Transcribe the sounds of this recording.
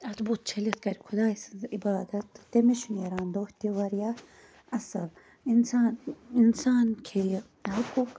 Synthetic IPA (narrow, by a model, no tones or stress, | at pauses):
ɐt̪buːt̪̚t͡ʃʰɐlɐt̪kɐɾikʰʊd̪aːisɐibaːd̪ɐt̪ːt̪emeʃunjɐɾaːnd̪oːht̪iʋɐɾja | ɐsɐl | insaːninsaːnkʰej | ɦʊkuk